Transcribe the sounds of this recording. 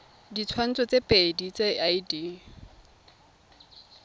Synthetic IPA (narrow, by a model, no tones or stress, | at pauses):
dit͡sʰwan̩t͡sɔt͡sepʼedit͡seaidi